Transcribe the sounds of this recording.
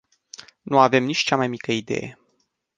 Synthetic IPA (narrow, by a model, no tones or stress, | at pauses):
nuave̞mnit͡ʃʲt͡ʃamajmikəid̪e̞̰je̞̰